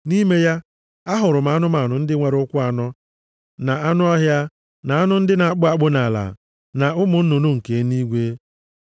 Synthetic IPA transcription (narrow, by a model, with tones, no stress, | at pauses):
ni˦me˦ja˦ | a˦ɦʊ˨ɾʊ˨m̩˦a˦nʊ˦ma˨nʊ˨n̩˦dɪ˦ŋʷe˨ɾʊ˦ʊ˦kʷʊ˦a˨nɔ˦ | na˨a˦nʊ˦ɔ˦ɦja˦ | na˨a˦nʊ˦n̩˦dɪ˦na˨a˨k͡pʊ˦a˦˨k͡pʊ˦na˨la̰˨ | na˨ʊ˦mʊ˨n̩˦nʊ˨nʊ˦ŋ̩˨ke˨˦ni˦ɡʷe˦